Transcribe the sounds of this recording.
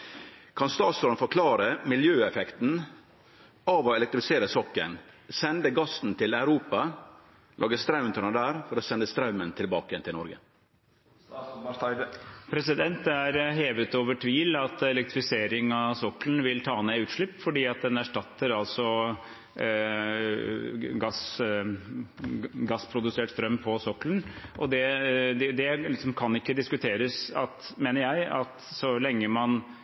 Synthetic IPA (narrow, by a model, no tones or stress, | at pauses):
kʰɑnst̪ɑːt̪sɔɾnfɔɾkʰlɑːɾəmɪljøːɛfɛkt̪n̩ | ɑʋoːɛlɛkt̪ɾɪfɪseːɾəsɔkə̰nsɛnd̪əɡɑsn̩t̪ʰɪlæʉɾuːpɑ | lʔɑ̰ːɡəst̪ɾɑʉmnt̪ʰəɳəd̪æːɾfɔɾoːsɛnd̪əst̪ɾɑʉmənt̪ʰɪlbɑːkəɛnt̪ʰɪnɔɾɡə | pʰɾɛsɪd̪ɛnt̪æɾɦeːʋət̪oːʋəʈʰʋiːlɑt̪ɛlɛk̚t̪ɾɪfɪseːɾɪŋɑsɔkːlənʋɪlt̪ʰɑːnɛʉːt̪ʂɭɪpːfɔɖiːɑt̪̚d̪ɛnæʂʈɑt̪ːəɾɑlsɔ | ɡɑs | ɡɑsːpʰɾʊd̪ʉseːʈst̪ɾœmːpʰɔsɔklənʔɔd̪ɛd̪ɛd̪ɛlɪksɔmkʰɑnːɪkːəd̪ɪskʉt̪ʰeːɾəsɑt̪meːnəɾjæɪɑt̪sɔlɛŋːəmɑn